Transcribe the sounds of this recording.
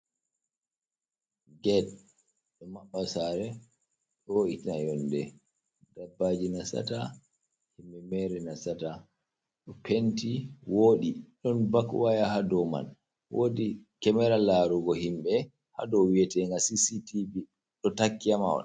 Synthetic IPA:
ɡɛt̚ | ɗɔmaɓːasaɾɛ | ɗɔitnajɔndɛ | dabːaːd͡ʒinasa̰ta | himɓɛmɛɾɛnasata | ɗɔpʰentiwoːɗiɗɔnbakwajahadɔma̰n | wʔoːdikɛmɛɾalaɾuɡɔhimɓɛ | ha̰dɔwiɛtɛŋɡasisitivi | ɗɔtakːijamawɔ̰

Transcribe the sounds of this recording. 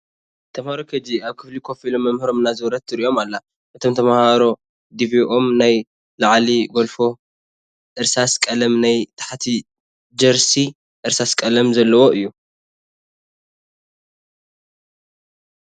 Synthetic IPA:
t̪ʰɐmhaɾokʰɐd͡ʒiaβkʰɨflikʰo̞filomːɐmhɨɾo̞mɨnazɨwɾɐt̪ːɨɾiʔo̞malːa | ʔɨt̪ʰo̞mt̪ʰɐmahaɾo̞ | d̪iviʔomnaj | laʕliɡo̞lfo̞ | ʔɨɾsaskʼɐlɐmnajt̪ʰḁħat̪ʰi | d͡ʒɐɾsi | ʔɨɾsaskʼɐlɐmzɐlːɐwo̞ʔɨjːu

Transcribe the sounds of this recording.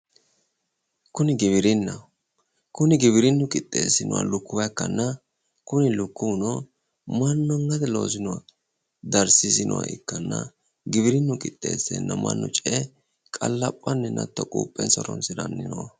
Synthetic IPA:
kʊnɪɡɪβɪɾɪnːɐ | kʊnɪɡɪβɪɾɪnːʊkʼɪt̪ʼːe̞̰ːsːɪnɔwa̰lʊkːʊwɐkːɐnːɐ | kʊnɪlʊkːunɔ | mɐnːɔŋːɐd̪ɛlo̞ːsɪnɔwɐ | d̪ɐɾsɪsɪnʔɔ̰wa̰ʔɪ̰kːɐnːɐ | ɡɪβɪɾɪnːʊkʼɪt̪ʼːe̞ːsːɛ̰nːɐmɐ̰nːɔt͡ʃʼɛ | kʼɐlːɐpʼːɐnːɛnɐ̰t̪ːɔkʼṵːpʼːɛnsɔɾɔnsɪdɐnːɪnɔwɐ

